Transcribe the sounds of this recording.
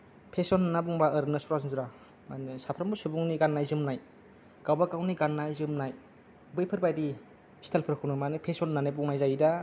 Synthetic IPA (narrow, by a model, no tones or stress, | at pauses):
pʰesɔnnabuŋbaɯɾɯnɯsuɾasnzuɾa | manɯsapʰɾambusubuŋniɡanːajzɯmnaj | ɡawbakawniɡanːajzɯmnaj | bɯjpʰɯɾbajdi | stʰalpʰɯɾkʰunɯmanɯpʰesɔnːanebuŋnajzajida